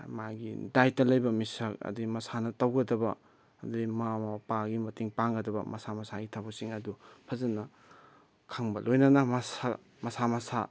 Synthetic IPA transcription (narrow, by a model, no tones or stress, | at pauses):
maɡidajtɐlɐjbɐmisɐkɐ̰dimɐsanɐtɐwɡɐdɐbɐː | duimamɐpaɡimɐtiŋpaŋɡɐdɐbɐ̰mɐsamɐsaɡitʰabɐsiŋɐdupʰɐzɐnɐ | kʰaŋbɐlojnɐnɐmɐsa | mɐsamɐsa